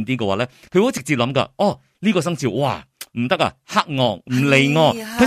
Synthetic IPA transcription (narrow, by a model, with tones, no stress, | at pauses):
nt̪iː˥k̬ɛː˧waː˨˧lɛː˦˥kʰɵ˨˧wo˨˥t͡sɪ˨k̚t͡siː˨p̚lɐ˨˥mkɐ̰˧ʔɔː˨˩ | liː˥kɔː˧s̬ɐ˥ŋt͡sʰiː˧˩wa̰ː˧m̩˨˩t̪ɐ˥k̚a̰˧ha˥k̚ŋɔː˨˩ŋ̚m̩˨˩le˨˩jŋɔː˧kɐ˨˥